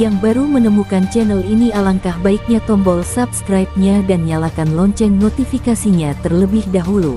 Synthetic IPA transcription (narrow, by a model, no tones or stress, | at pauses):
jaŋbaɾumənəmukant͡ʃɛnəlinialaŋkahbaik̚ɲat̪ɔmbɔlsap̚skɾajp̚ɲadanɲalakanlɔɲt͡ʃɛnːot̪ifikasiɲat̪ərləbɪhdaɦulu